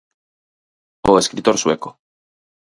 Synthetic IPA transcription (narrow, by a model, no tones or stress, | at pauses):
oeskɾit̪oɾsweko